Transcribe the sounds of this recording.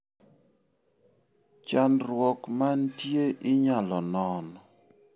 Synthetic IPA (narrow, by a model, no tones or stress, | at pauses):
t͡ʃanɾwɔkmantjeʔɪɲalɔnɔn